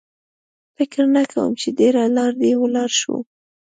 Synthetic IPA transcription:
fɪkɾnakʰawə̰mt͡ʃed̪eɾalɑɾd̪ewəlɑɾʃwṵ

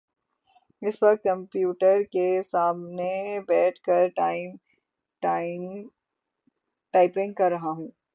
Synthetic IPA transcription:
ɪswɐk̚t̪̚kɐ̃mpjuːʈəɾkesaːmnebɛːʈʰkɐɾ | ʈaːɪpɪ̃ŋɡ̚kɐɾːɐɦaɦũː

